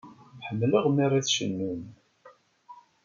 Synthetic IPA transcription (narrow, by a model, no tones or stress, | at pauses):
ħəmːləʁmirˤaθʃənːun